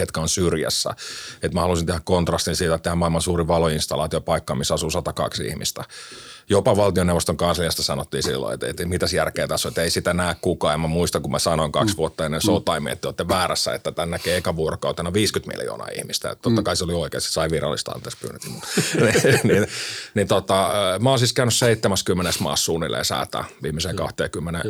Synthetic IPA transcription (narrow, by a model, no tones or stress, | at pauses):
ket̪kæonsyrjæ̰sːæ̰et̪mæhɑlusint̪ehækkont̪rɑst̪insiːt̪æt̪ehæmmɑilmɑnsuːriʋɑloinst̪ɑlɑ̰ːt̪iopɑikːɑːmisːɑsusɑt̪ɑkɑ̰ksḭhmḭst̪æjopɑʋɑlt̪ioneʋost̪oŋkɑnsliɑst̪ɑsɑnot̪ːiːnsḭlːo̰ḛt̪ḛt̪mit̪æsjærkeːt̪ɑsoet̪eisit̪ænæːkkukɑːemmæmuist̪ɑŋkummæsɑnoiŋkɑ̰ksʋuot̪ːɑɑnːesout̪ˑɑimḭḛt̪t̪ːeot̪ːeʋʋæːɾæ̰sːæ̰ḛt̪ːæt̪ænːækeikɑʋuorokɑut̪enɑʋiːskyt̪mḭljo̰ːnɑ̰ḭhmist̪æ̰t̪ot̪ːɑkɑiseolioikḛːse̥sɑiʋirɑ̰lːist̪ɑ̰nt̪eːspy̰ːnːyt̪ːmunininnit̪ot̪ɑmæolsiskæynysseit̪ːemæskymːenesmɑ̰ːssuːnːilḛsæ̰ːt̪æ̰ʋiːmːiseːkɑ̰ht̪eːkymːene